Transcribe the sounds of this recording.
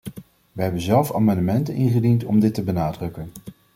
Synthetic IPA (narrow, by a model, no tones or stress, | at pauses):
ʋəɦɛbənzɛlˠfa̰ːmɑndəmɛntənʔɪnχədintɔmdɪtəbənaːdrɵkən